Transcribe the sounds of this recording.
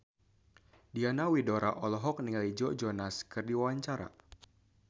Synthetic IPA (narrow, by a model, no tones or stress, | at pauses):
dianawidɔɾʔaʔɔlɔɦɔk̚niŋalid͡ʒɔd͡ʒɔnaskɨrdiwawaɲt͡ʃaɾa̰